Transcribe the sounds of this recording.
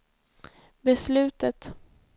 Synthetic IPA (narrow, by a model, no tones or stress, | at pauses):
bɛslʉ̟ːt̪ət̪